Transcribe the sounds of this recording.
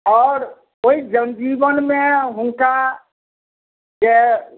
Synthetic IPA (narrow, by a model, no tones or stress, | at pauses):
ɔːɾ | oid͡ʒənd͡ʒibənmeɦũŋka | d͡ʒe